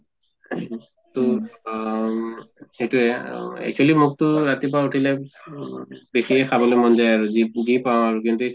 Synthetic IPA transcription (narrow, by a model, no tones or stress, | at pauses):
tʊ | ejtuɛɛ̰k̚t͡ʃʰualimʊk̚tʊɹat̪ip̬auʈʰilɛ | bexiɛkʰabɔlojmɔnzajaɹuziɡipaw̃aɹuk̬intu